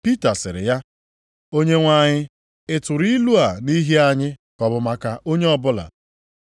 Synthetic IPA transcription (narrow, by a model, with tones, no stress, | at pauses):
pi˦ta˨sɪ˨ɾɪ̰˨ja˦ | o˦ɲe˦ŋʷa˦˨ɲɪ˦ | ɪ˦tʊ˨ɾi˦lu˦a˨ni˦ɦi˦a˨ɲɪ˦kɔ˨bʊ˨ma˦ka˦ʔo˦ɲe˦ɔ˦bʊ˦la̰˨